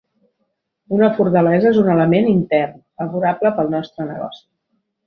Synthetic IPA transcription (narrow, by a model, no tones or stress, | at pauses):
unəfuɾt̪əlɛzəezunələmenint̪ɛrnfəβuɾabləpəlˠnɔst̪ɾənə̰ɣɔ̰si̥